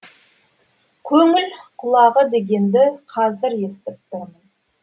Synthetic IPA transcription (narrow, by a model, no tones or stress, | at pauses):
kʲʰɵŋɪlqʰʊlˠɑʁəd̪e̞ɡʲe̞nd̪ɪqʰɑzɪɾe̞st̪ɪp̚t̪ʰɾmən